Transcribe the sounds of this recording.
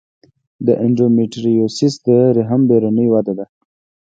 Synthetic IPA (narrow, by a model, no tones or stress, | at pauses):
d̪əʔɪɳɖomiʈɾijosisd̪əɾɪɦəmbeɾonəjwad̪ad̪a